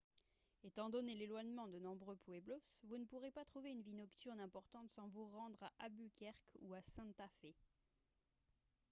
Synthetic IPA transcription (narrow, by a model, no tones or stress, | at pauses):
et̪ɑ̃d̪ɔnelelwaɲmɑ̃d̪ənɔ̃bʁøpweblɔsvunəpuʁepat̪χuveynvinɔkt̪yʁnɛ̃pɔʁt̪ɑ̃t̪sɑ̃vuʁɑ̃d̪ʁaʔabykʲɛʁkʰuasɛ̃t̪afe